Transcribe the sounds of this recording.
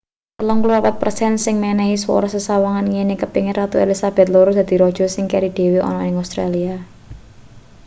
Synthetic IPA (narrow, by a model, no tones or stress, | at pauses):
klɔŋkluapat̪̚prsɛnsɪŋmɛnɛɦiswɔ̰ɾɔsəsawaŋanŋenekəpiŋɪɾʔat̪uelisab̥ɛ̤t̪̚loɾud̪äd̪̥i̤ɾɔd̥ʒ̥ɔ̤sɪŋkɛɾid̪̥e̤wiɔ̰nɔɪŋast̪ɾalia